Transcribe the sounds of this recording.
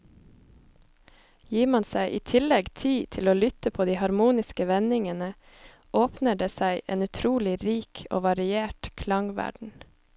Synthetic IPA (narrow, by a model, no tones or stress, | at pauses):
jiːmɑnsæɪʔiːt̪ʰɪlɛɡt̪ʰiːt̪ʰɪloːlʏt̪əpʰoːd̪iːhɑɾmuːnɪskəʋɛnɪŋənə | ʔoːpnəɖeːsæɪʔeːnʉt̪ʰɾuːlɪɾiːkʰo̰ːʋɑɾɪeːʈkʰlɑŋʋæ̰ɖɳ̩